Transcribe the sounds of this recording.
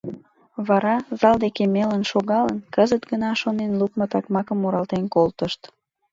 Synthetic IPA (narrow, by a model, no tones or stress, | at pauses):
βɑɾɑzɑld̪ekemelənʃoɣɑlənkəzət̪ɡənɑʃonenlukmət̪ɑkmɑkəmːoɾɑlt̪enkolt̪əʃt̪